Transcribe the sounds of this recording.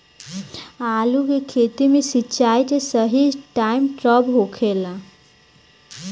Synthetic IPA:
alukekʰet̪imesit͡ʃajt̪esəɦid͡ʒʈaimʈɾəbɦokʰela

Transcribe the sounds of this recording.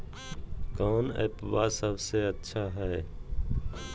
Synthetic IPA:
kaːnɛ̰pʋasəbseətːʃʰaɦɛː

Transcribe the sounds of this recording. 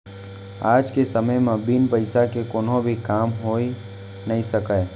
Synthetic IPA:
aːd͡ʒkesəməjmẽbinpəɪsakekoːnõbʱikaːmɦoi | nəisəkə

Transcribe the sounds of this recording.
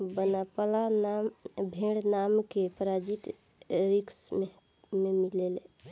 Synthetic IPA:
bənapalanambʱeɽnamkepɾad͡ʒit̪ | ɾikse | memilele

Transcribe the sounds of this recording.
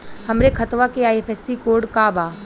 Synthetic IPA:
hɐmɾekʰɐt̪ʋakeaːjeːfʰɛːsikoːɾɖkaːbaː

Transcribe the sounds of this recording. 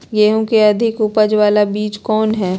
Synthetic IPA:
jeːɦõkeɐd̪ʱɪkupəd͡ʒʋaːlabiːt͡ʃkɔːnɦɛː

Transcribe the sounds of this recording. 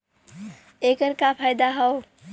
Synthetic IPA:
ekəɾkapʰajd̪aɦəw

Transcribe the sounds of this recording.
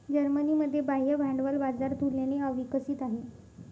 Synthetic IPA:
d͡ʑəɾməniːməd̪ʱːjebaɦjəbʱaɳɖʋəlbad͡zaɾt̪uljaneəʋikəsiːt̪aɦe

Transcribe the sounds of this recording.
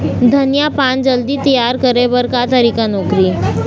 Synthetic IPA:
d̪ʱənjapand͡ʒəld̪iːt̪əjaɾkəɾeʋəɾkat̪əɾikanɔkɾiː

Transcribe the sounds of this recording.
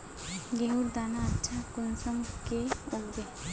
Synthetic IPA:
ɡeɦuɾd̪aːnaːtːʃʰakʊnsəŋkeʊɡbe

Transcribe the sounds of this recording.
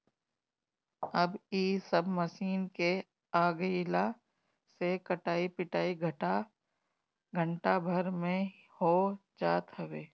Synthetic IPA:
ɐbiːsəbməsiːnke | aːɡəla | sekɐʈaːipɪʈaːiɡʱʈa | ɡʱə̃ɳʈabʱəɾmẽ | hoːd͡ʒaːt̪ɦɐʋeː

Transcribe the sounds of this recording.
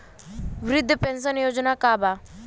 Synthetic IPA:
ʋɾɪd̪ʱːəpẽnsənjod͡ʒnakaːba

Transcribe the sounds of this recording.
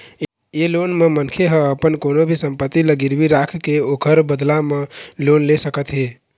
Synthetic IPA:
jelonmemənkʰeɦəəpənkonobʱisəmpət̪ːiləɡiɾbiɾakʰkeokʰəɾbəd̪lamelonlesəkət̪ɦe

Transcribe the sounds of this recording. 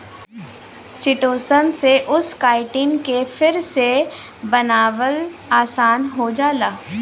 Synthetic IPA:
t͡ʃɪʈoːsənseʔʊskaːɪʈɪnkefʰɪɾse | bɐnaːʋəlaːsaːnɦod͡ʒaːlaː

